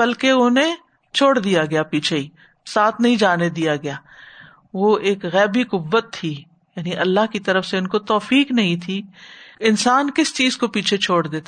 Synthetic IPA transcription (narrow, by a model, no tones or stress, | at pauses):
bɐlkeʊne | t͡ʃʰoːɽd̪ijaɡɐjapiːt͡ʃʰei | saːt̪ʰnɐɦĩd͡ʒaːned̪ijaɡɐjaː | ʋoeːkɣɛːbiqʊbːət̪ʰːi | jaːniʔɐlːaɦkit̪ɐɾəfseʊnkot̪ɔːfiːknɐɦĩt̪ʰiɪnsaːnkɪst͡ʃiːzkopiːt͡ʃʰet͡ʃʰoːɽd̪eːt̪a